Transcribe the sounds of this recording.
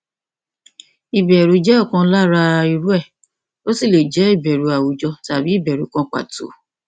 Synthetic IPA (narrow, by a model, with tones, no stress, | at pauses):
i˨bɛ˨ɾu˨˦d͡ʒɛ˦ɔ˦˨kã˧˦la˦ɾa˧i˧ɾu˦ɛ˦˨ | o˦si˦˨le˨d͡ʒɛ˨˦i˦˨bɛ˨ɾu˨a˨wu˨˦d͡ʒɔ˧ta˨bi˨˦i˦˨bɛ˨ɾu˨˦kã˧k͡pa̰˨to̰˨˦